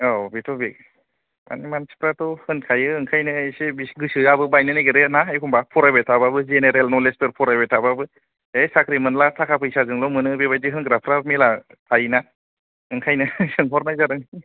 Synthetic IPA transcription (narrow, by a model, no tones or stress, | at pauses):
ɔbitʰɔbik̚ | ma̰nimansi̥pɾatɔhɯnkʰajɯːŋkʰajnɯesebisɡɯsɯabɯbajnɯnajɡɯɾenaekʰumbapʰɔɾabetʰababɯzeneɾelnɔlespeɾpʰɔɾabetʰababɯ | esakɾimɯnlatʰakʰapʰɯjsazɯŋlɔmɯnɯbeβajdiɦɯnɡɾapʰɾamila | tʰajna | ɯŋkʰajnɯsɯŋpʰɔɾnajzaɾɯŋ